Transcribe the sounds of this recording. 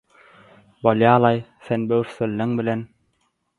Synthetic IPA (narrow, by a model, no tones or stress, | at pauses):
bolˠjɑːlˠɑjθenbøwɾθelːeŋbilen